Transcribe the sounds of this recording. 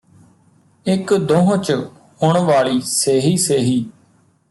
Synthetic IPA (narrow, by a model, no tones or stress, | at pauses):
ɪkd̪õːɦõt͡ʃ | hʊɳʋaːɭiːseːɦiːseːɦiː